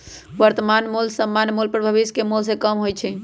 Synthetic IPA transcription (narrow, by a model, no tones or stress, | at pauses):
ʋəɾt̪əmanmulsəmːanmulpəɾbʱəβiskemulsẽkəmɦojt͡ʃʰɛ